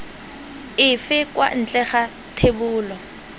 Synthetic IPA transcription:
ɪfɪkʼwa̰n̩t͡ɬʼɛχa | tʰebʊːlɔ

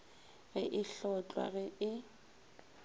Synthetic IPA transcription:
ɣɪʔɪɬɔt͡ɬʼwa̰ɣɪɪ

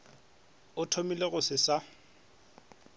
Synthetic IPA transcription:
ʊtʰomileɣʊsɪsa

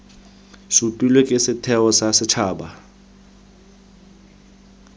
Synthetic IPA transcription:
supʼilwɛkʼɪsɪtʰɛɔsasɪt͡ʃʰaːɓa

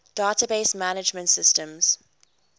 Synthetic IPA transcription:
d̥aːtəbeɪsmanɪd͡ʒmə̃ntsɪstə̃mz̥

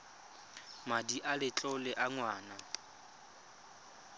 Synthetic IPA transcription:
madiʔalɪt͡ɬʼɔlɪʔaŋwaːna

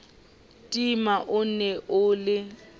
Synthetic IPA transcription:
tʼimaʔʊn̩nɛʔʊːlɪ

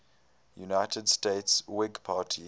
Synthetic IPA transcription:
junaɪtʰədsteːtswɪɡpʰaːtʰi

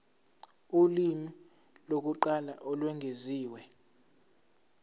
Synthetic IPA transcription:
ulimi | lok̬uǃalaʔɔlwɛŋʱeziːwɛ

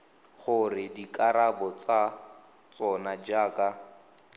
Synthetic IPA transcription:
χʊrɪdikʼaɾabɔt͡sa | t͡sɔnad͡ʒaːkʼa

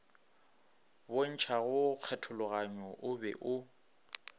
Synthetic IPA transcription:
bon̩t͡ʃʰaɣʊk͡xʰɛtʰʊlʊɣaɲɔʔʊbɛ̰ʔʊ

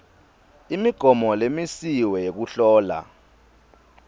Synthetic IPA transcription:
imiɡ̥ʱɔmɔlemisiwɛjek̬uɬɔːla̰

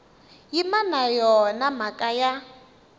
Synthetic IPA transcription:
jimanajɔnamakʼaja

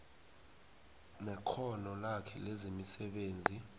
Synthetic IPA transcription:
nɛǃʰɔnɔlakʰɛ̰lezimisɛɓeːnd͡zʱi

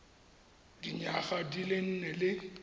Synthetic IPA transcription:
diɲaχadilɪn̩nɛlɪ

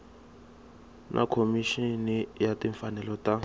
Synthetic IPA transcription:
nʔa̰kʰomiʃinijatʼiɱfanɛlɔta

